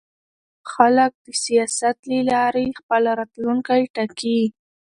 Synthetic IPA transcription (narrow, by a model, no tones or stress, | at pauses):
xalək̚d̪əsijɑsat̪lilɑɾexpəlaɾɑt̪luŋkajʈaki